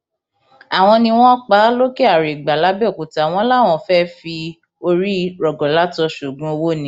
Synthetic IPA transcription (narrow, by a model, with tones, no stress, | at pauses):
a˨w̃ɔ̃˧nĩ˧w̃ɔ̃˦k͡pa˨˦lo˦ke˦a˨ɾe˨ɡ͡ba˨la˨˦bɛ˦˨ku˨ta˨w̃ɔ̃˧˦la˦˨w̃ɔ̃˧fɛ˦fi˧ | o˧ɾi˦ɾɔ˨ɡɔ˨la˦tɔ˧ʃu˨ɡũ˦o˧wo˦˨nĩ˦